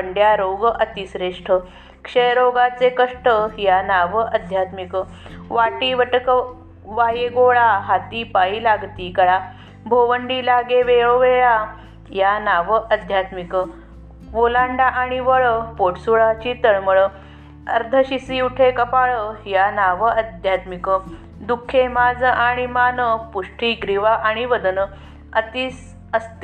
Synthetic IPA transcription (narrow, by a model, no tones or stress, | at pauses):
pəɳɖjaɾoɡʔət̪isɾeʂʈʰə | kʂəjɾoɡat͡sekəʂʈəjanaʋəʔəd̪ʱjat̪mikə | ʋaʈiːʋəʈəkə | ʋajeɡoɭaɦat̪iːpaiːlaɡt̪iːkəɭa | bʱoʋəɳɖiːlaɡeʋeɭoʋeɭa | janaʋəʔəd̪ʱjat̪mikə | ʋolaɳɖaʔaɽ̃iʋəɭəpoʈsuɭat͡ɕit̪əɭməɭə | ə̰ɾd̪ʱəɕisiuʈʰekəpaɭəjanaʋəəd̪ʱjat̪mikə | d̪ukʰːemad͡zəʔaɽ̃imanəpuʂʈʰiːɡɾiʋaʔaɽ̃iʋəd̪ənə | ət̪iːs | əst̪